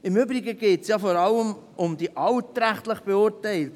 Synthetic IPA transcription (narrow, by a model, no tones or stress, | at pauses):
ɪmʏbɾɪɡəɡeːtsjɑfɔɾɑlːəmʔʊmd̥̪iʔɑlt̪ːɾæχt̪ləχb̥eʊɾtɛɪlt